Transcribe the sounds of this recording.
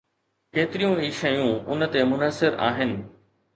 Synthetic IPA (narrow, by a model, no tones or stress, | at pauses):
keːt̪ɪɾijũiːʃɐjũʊnət̪emʊnəsɪɾa̰ːɦɪnɪ̆